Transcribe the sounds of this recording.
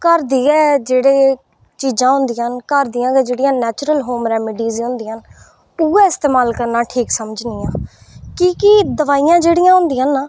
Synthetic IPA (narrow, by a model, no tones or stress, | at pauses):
kəɾd̪iːɛːd͡ʒeːɽeː | t͡ʃiːd͡ʒãːɦʊ̃nd̪iːənkəɾd̪ijãːɡɛːd͡ʒeːɽijãːnɛːt͡ʃɾəlɦoːmɾɛːmɪɖiːziːɦʊ̃nd̪iːən | ʊːɛ̃ːɪst̪eːmaːlkəɾnãːʈʰiːksəməd͡ʒnijãː | kikid̪əʋaːiːãːd͡ʒeːɽɪijãːɦʊ̃nd̪iːãːnaː